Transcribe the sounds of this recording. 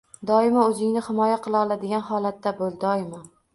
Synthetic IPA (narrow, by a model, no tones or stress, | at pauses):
d̪ɒɪmaɵzɪŋnɪhɪmɒjaqʰɨlˠaɒlˠad̪ɪɡʲanhɒlˠat̪ːabolˠd̪ɒɪma